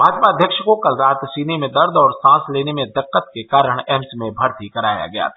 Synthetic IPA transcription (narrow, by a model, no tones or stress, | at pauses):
mʱaːd͡ʒpaːd̪ʱjəkʃkokɐlɾaːt̪siːnemẽd̪ɐɾd̪ɔːɾsãːsleːnemẽd̪ɪqːət̪kekaːɾəɽ̃ɛɦmsmẽbʱɐɾt̪ikɐɾaːja̰ɡɐja̰ː